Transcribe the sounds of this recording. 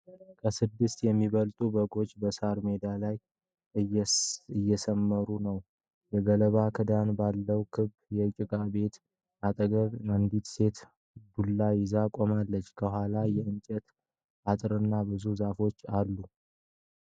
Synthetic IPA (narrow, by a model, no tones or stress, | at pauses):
kʰəsɨd̪ːɨst̪jɛmːiβəlt̪ʼubəɡo̞t͡ʃʼːbəsaɾme̞d̪alaj | ɨjːɛsəmːəɾunəw | jɛɡələβakʰɨd̪anbalːəwkʰɨβ | jɛt͡ʃʼɪkʼabe̞t̪ | at̪ʼəɡəβand̪it̪se̞t̪ | bulːajɪzakʼomalːət͡ʃːkʰəhʷalajɛɨnt͡ʃʼɛt̪ | ʔat̪ʼɾɨnːabɨzuzafo̞t͡ʃːalːu